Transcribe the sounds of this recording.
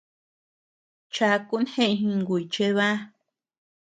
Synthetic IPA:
t͡ʃa˧ku˦nhẽ˦ʔɦĩ˧ŋɡu˨i˨t͡ʃe˧βa˦

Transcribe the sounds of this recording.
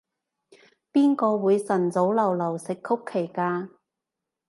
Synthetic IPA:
piː˥nkɔː˧wuː˨˧jsɐ˨˩nt͡so˨˥wlɐ˨˩wlɐ˨˩wsɪ˨kʰːʊ˥kʰːe˨˩jkaː˧

